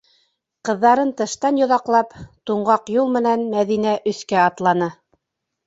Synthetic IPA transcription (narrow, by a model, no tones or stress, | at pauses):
qɤ̆ðːɑɾɤnt̪ɤ̆ʃt̪ɑnjŏðɑqlˠɑpt̪uɴɢɑqjulˠmɘ̆nænmæðinæʔɵ̆θkæɑt̪lˠɑnɤ